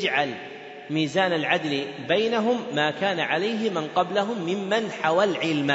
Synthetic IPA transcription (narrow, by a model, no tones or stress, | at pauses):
d͡ʒʕal | miːzaːnalʕad̪lbajnaɦʊmːaːkaːnaʕalajɦɪmɪnqɑblaɦʊmːɪmːanħawalʕɪlma